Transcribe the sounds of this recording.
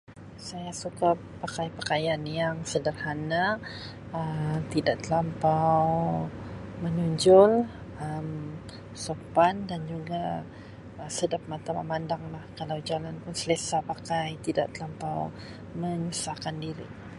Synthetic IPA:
sajasuka | pakajpəkajanjaŋsədərhana | ət̪idaʔt̪əlampaw | mənuɲd͡ʒʊl | əm | sopandand͡ʒuɡa | əsədap̚mat̪ama̰mandaŋlahkalawd͡ʒalanpʊnsəlesapakajt̪ida̰ʔt̪əlampaw | məɲusahkandiɾḭ

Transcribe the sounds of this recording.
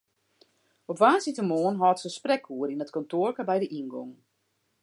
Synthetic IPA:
ɔpʋaːsitəmoənɦɔːtsəsprɛkʰuəɾinətkɔntoərkabɛjdəʔinɡɔ̰ŋ

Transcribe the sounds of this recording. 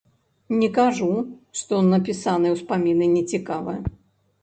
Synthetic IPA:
nʲɛkaʐuʂt̪ɔɔnːɐpʲisanɨjwspamʲinɨnʲɛt͡sʲikavɨjɐ

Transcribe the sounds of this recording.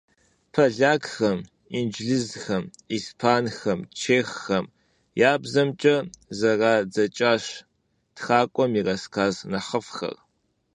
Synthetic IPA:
pʰɐɮaːkxɐm | ind͡ʒɮɨzxɐmiːspʰaːnxɐmt͡ʃʰeːxːɐm | jaːbzɐmt͡ʃʼɐzɐraːd͡zɐt͡ʃʼaːɕ | txaːkʷʼɔmirɐskʰaːznɐħəfxɐ̰r

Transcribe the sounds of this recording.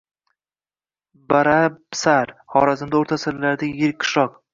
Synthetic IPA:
baɾapsaɾhɒɾazɪmd̪aoɾt̪ʰasɪɾlaɾd̪ajɪɾɪkʲkːʰɪ̥ʃɒq

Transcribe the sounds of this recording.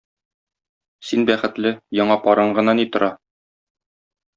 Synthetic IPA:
sinbæχɘ̆t̪lɘjɒɴɑpɒɾɤɴɢɤ̆nɑnit̪ŏɾɑ

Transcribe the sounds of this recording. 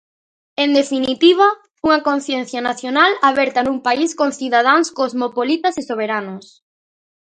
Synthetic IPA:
end̪efinit̪iβ̞a | uŋakon̟θjɛn̟θjanaθjonalaβɛɾt̪anuŋpaiskonθiðað̞aŋskozmopolit̪asɪsoβ̞eɾanos

